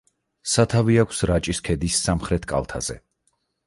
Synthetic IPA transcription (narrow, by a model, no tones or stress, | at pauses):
sat̪ʰaviakʷʰsɾat͡ʃʼiskʰɛd̪isːamχɾɛt̪ʰkʼa̰lˠt̪ʰa̰z̥ɛ̰